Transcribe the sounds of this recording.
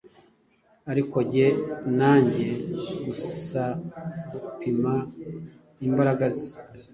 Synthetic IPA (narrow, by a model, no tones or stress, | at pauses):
aɾiko̞ɟe̞naːɲɟe̞ɡussaɡupima | imbaɾaɡazi